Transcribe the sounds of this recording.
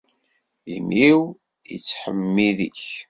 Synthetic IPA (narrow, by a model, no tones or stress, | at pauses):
imiw | jə̰t͡sːħəmːiðiç